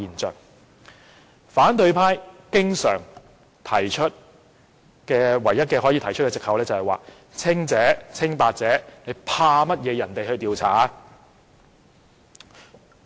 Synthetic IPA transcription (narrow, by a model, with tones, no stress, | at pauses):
iː˨˩nt͡sœː˨˩k̚ | faː˨˥nt̪ɵ˧ɥpʰaː˥jkɪ˥ŋsœː˨˩ŋ | t̪ʰɐ˨˩jt͡ʃʰɵ˥t̚ | kɛː˧wɐ˨˩jːɐ˥t̚kɛː˧hɔ˨˥jiː˨˧t̪ʰɐ˨˩jt͡ʃʰɵ˥t̚kɛː˧t͡sɪ˨khɐ˨wlɛː˥t͡sɐ˨whɐ˨jwa̰ː˨˩ | t͡sʰɪ˥ŋt͡sɛː˨˥t͡sʰɪ˥ŋpaː˧k̚t͡sɛː˨˥ne˨˧jpʰaː˧mɐ˥t̚jɛː˨˧jɐ˨˩nt̪e˨jhɵ˧ɥt̪iː˨˧wt͡sʰa̰ː˨˥